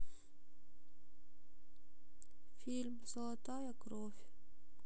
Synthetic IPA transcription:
filmsoat̪ajakrof

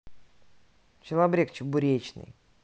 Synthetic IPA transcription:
t͡ɕɪlˠabɾʲekt͡ɕʊbʊɾʲet͡ɕnɨ̰j

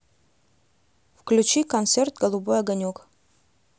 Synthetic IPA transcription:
fklʲut͡ɕikɐnt̪sert̪ɡolˠubojɐɡɐnʲuk

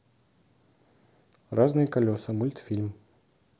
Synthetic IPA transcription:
raznɨjəkɐlʲosɨmulʲt̪fʲilʲm

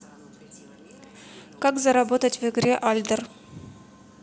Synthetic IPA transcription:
kakzɐɾɐbot̪ətʲvɨɡɾʲeʔalʲd̪ər

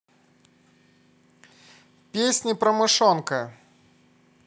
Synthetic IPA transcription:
pʲesʲnʲipɾɐmɨʂɔnkɐ

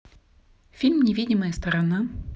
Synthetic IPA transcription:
fʲilʲmnʲɪvʲidʲɪməjəst̪əɾɐna

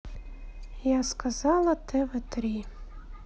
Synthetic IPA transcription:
jaskʰazalˠatʰɛvɨtʰɾi

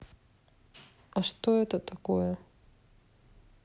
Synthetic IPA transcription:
ɐʂt̪oɛt̪ət̪ɐkojə

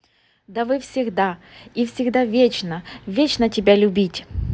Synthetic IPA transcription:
d̪ɐvɨfsʲɪɡd̪aifsʲɪɡd̪avʲet͡ɕnəvʲet͡ɕnətʲɪbʲalʲʊbʲitʲ

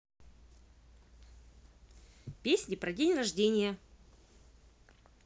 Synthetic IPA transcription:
pʲesʲnʲɪpɾɐdʲenʲrɐʐdʲenʲɪjə

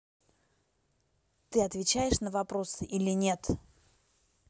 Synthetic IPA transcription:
t̪ɨɐt̪vʲɪt͡ɕæjɪʂnəvɐpɾo̞sɨʔilʲɪnʲe̞t̪

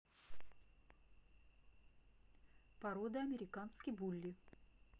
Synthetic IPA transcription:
pɐɾod̪əɐmʲɪɾʲɪkanskʲəjbulʲːɪ

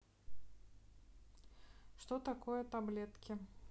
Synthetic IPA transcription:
ʂt̪ɔt̪akojɐt̪ablʲɛt̪kʲɪ

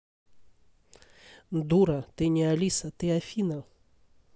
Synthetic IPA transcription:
nd̪uɾət̪eɲialisət̪eafina

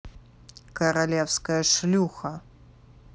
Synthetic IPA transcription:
kɐɾalʲɛwskɐjɐʂlʲuxɐ

